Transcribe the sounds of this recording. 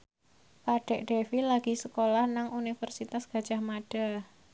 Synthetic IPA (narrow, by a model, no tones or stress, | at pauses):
paɖ̥ɛ̤ʔɖ̥efilaɡ̥i̤səkolahnaŋunifərsit̪asɡ̥a̤̥d͡ʒ̥a̤hmaɖ̥a